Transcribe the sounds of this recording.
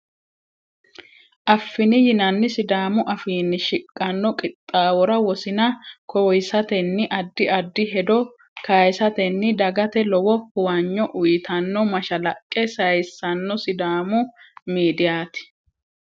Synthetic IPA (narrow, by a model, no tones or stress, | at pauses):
ʔɐfːɪnɪjɪnɐnːɪsɪd̪aːmʊʔɐfiːnːɪʃɪkʼːɐnːɔkʼɪt̪ʼːaːwɔɾɐwɔsɪnɐkʰɔjsɐt̪ɛnːɪʔɐd̪ːɪɐd̪ːɪɦɛd̪ɔ | kajsɐt̪ɛnːɪd̪ɐɡɐt̪ɛlɔwɔhʊwɐɲːɔʔʊjɪt̪ʰɐnːɔmɐʃɐlɐkʼːɛsɐjsːɐnːɔsɪd̪aːmʊmiːd̪ɪjaːt̪ɪ̥